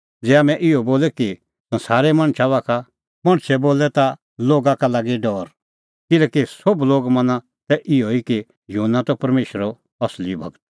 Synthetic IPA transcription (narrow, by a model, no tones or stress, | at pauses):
d͡zɛːaːmɛ̃ʔɪɔboːlɛki | sɐ̃nsaːɾɛmɐ̃ɽ̃t͡ʃʰaʋaːkʰa | mɐɽ̃t͡ʃʰɛboːlɛt̪a | loːɡakalaːɡiɖɔːɾ | kɪlɛːkisobloːɡmɐ̃nã | t̪ɛʔɪoiki | junːat̪ɔpɐɾmeːʃɾɔ | ɐslibʱɐ̰ɡət̪̚